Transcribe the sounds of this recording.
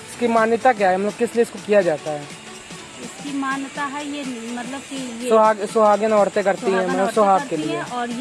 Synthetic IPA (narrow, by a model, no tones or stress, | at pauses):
ɪskimaːnjət̪ak̬jaːɦɛmɐt̪ləb̚kɪslieɪskokijad͡ʒaːt̪aɦɛː | ɪskimaːnt̪aɦɛjenmɐt̪ləb̚kijesʊɦaːɡsʊɦaːɡenaːɽt̪ẽkɐɾt̪iɦɛ̃mɐt̪ləbsʊɦaːɡkːelieɔːɾ